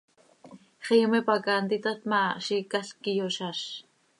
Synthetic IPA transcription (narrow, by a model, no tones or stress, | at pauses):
χiːmipakant̪it̪at̪maʃikaɬkijoʃaʃ